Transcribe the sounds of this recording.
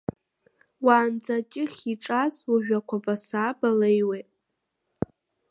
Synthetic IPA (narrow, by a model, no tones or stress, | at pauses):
waːnd͡zat͡ʃʲʼɪχʲiʈ͡ʂʼazwaʒᶣʷakʷʰabʼasaːbalejwejtʼ